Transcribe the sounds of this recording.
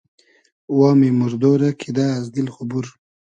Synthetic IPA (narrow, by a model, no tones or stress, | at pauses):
wɑːmimuɾd̪oːɾakʰid̪aːzd̪ilχʊbuɾ